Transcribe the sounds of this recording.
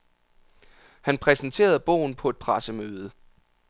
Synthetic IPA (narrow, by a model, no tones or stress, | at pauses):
hænpʰʁɛsnt͡sʰe̝̰ːɐð̞̩ˠb̥ɔ̰ʊn̩pʰɒ̽e̝d̥̚pʰʁɑsəmøːðˠə